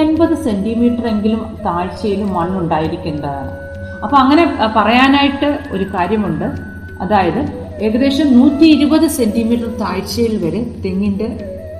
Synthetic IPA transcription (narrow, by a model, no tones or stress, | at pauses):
enbɐðɨse̞ndimiːʈːɐre̞ŋɡilumt̪aːɻt͡ɕːɐjilumːɐɳːuɳɖaːjiɾikʲːuɳːɖɐðaɳɨ̰ | ɐpːoɐŋːɐne̞pɐrɐjaːnaːjiʈːɨo̞̰ɾukaːɾjɐmuɳɖɨ | ɐðaːjɐðɨ | e̞ɣɐðe̞ːʂɐmnuːt̪ʲːiːɾubɐðɨse̞ndimiːʈːɐrt̪aːɻt͡ɕːɐjilʋɐɾut̪eŋːinde